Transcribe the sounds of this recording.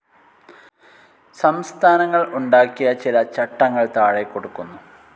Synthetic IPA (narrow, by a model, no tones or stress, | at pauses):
sɐmst̪ʰaːnɐŋːɐɭuɳɖaːkːijɐt͡ɕilɐt͡ɕɐʈːɐŋːɐɭt̪aːɻekːo̞ɽukːunːu